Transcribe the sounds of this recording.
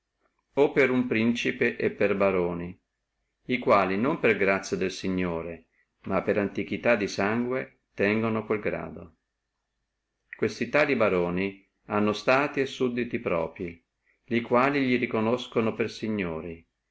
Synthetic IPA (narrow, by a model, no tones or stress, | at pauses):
opːeɾumpɾint͡ʃipeʔepːerbaɾoːni | ikwaːlinomperɡɾat̪sːjad̪elsiɲːoːɾe | mapːeɾant̪ik̟it̪ad̪ːisaŋɡwe | t̪ɛŋɡonokwelɡɾa̰ːd̪o | kwest̪it̪aːlibaɾoːni | anːost̪aːt̪iesud̪ːit̪ipɾɔ̰ːpɾi | likwaːliʎiɾikonoskonopersiɲːoːɾi